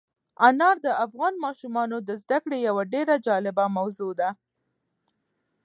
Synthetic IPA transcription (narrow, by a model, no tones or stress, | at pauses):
anɑɾd̪əafɣɑnmɑʃumɑnod̪əzd̪akɽejawaɖeɾad͡ʒɑlɪbamawzod̪a